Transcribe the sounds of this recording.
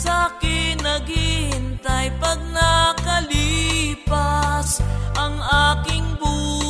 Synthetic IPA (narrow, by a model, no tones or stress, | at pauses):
sakɪnɐɡɪhɪnt̪ɐjpɐɡ̚nɐkɐlipɐsʔɐŋʔaːkɪŋbu